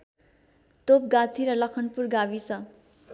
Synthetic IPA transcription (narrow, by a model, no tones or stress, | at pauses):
t̪op̚ɡat͡sʰiɾʌlʌkʰʌnpurɡabisʰʌ